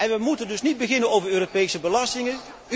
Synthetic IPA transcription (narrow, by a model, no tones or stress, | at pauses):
ʔɛnʋəmutəndɵsnid̚bəɣɪnənowvərøːropejsəbəlɑstɪŋə